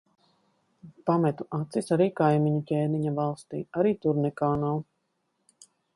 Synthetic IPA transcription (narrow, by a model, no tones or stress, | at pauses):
pamɛt̪uat̪sisaɾiːkajmiɲikʲeːniɲavalˠst̪iːaɾiːt̪uɾnɛkaːnaw